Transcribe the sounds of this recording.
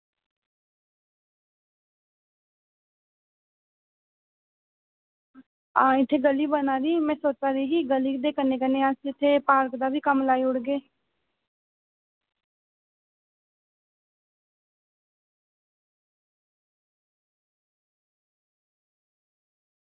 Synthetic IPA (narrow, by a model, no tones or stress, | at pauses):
aɪt̪ʰːeːɡəliːbənaːɾiːmɛ̃ːsoːt͡ʃaːɾiːkiɡəliːd̪eːkəneːkəneːasɪt̪ʰːeːpaːɾkd̪aːbiːkəmlaːiːʊɽɡeː